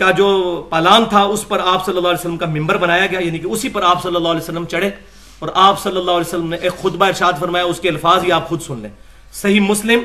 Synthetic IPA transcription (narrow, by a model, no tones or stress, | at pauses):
kad͡ʒoːpɛːlaːnt̪ʰaʊspɐɾaːpsɐlːəlːaːɦːlɛːsəlːəmkamɪ̃mbəɾbɐnaːjaɡɐjajaːnikeʊsipɐɾaːpsɐlːəlːaːɦlɛːsəlːəmt͡ʃɐɽe | ɔːɾaːpsɐlːəlːaːɦlɛːsəlːəmneʔeːkxʊd̪baɪɾʃaːd̪fɐɾmaːjaʊskeɐlfaːzɦiaːpxʊd̪sʊnlḛ̃ː | sɐɦimʊslɪm